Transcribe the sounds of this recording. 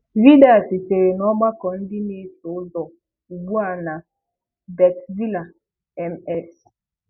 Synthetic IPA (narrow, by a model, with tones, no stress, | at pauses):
vi˦da˦a˨ti˨te˨ɾe˨nɔ˦ɡ͡ba˦kɔ˨n̩˦dɪ˦ne˦tʊ˨˦zɔ˨ | u˨ɡ͡bu˦a˨na˨ | bɛ˨kvi˦la˨ | ɛ˨mɛ˦s